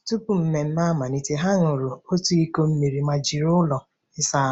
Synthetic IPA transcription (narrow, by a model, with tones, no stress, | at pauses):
tu˦pu˨m̩˦me˨m̩˦ma˦ma˨ni˦te˦ɦa˦ŋʊ˨ɾʊ˨o˦tu˦i˦ko˦m̩˦mi˨ɾi˨ma˨d͡ʒi˨ɾʊ˦lɔ˨ | ɪ˦sa˦